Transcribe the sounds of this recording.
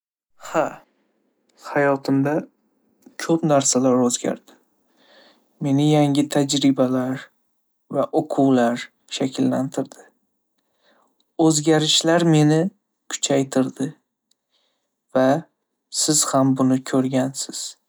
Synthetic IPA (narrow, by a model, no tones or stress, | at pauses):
ha | hajɒt̪ʰɪmd̪a | kʲʰɵpnaɾsalaɾɵzɡʲa̰ɾd̪̥ɪ̥ | me̞nɪjaŋʲɪt̪ʰad͡ʒɾɪbalaɾ | vaʔoqʰʊwlaɾ | ʃakʲʰɪlːa̰nt̪ʰɪɾd̪ɪ | ɵzɡʲaɾɪʃlaɾme̞nɪ | kʰʊ̥t͡ʃʰajt̪ʰɪɾd̪ɪ | va | sɪz̥hambʊnɪkʲʰɵɾɡʲansɪz̥